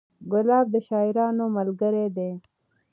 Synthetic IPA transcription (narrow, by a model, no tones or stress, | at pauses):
ɡʊlɑːb̚d̪əʃɑːɪɾɑːnomalɡəɾed̪e